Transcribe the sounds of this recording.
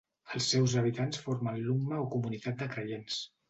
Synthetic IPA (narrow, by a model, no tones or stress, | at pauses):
əlˠsːɛwzəβ̞it̪ansfoɾmənluɡnəokumunit̪at̪̚d̪əkɾəjens